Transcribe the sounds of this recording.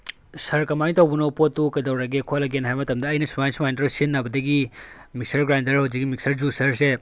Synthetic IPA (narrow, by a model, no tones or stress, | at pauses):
sɐɾkɐmajt̪ɐwbunɐwpot̪ːukɐdɐwɾaɡekʰolɐɡenɦajmɐt̪ɐmd̪ɐːjnɐsumajnsumajndɾowsinːɐbɐd̪ɐɡimik̚sɐɾɡɾajndɐɾɐwziɡimiksɐɾd͡ʒusɐɾse